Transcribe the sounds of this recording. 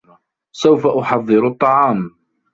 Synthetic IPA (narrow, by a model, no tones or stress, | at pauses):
sawfaʔʊħɑðˤːɨɾt̪ˤːɑʕɑːm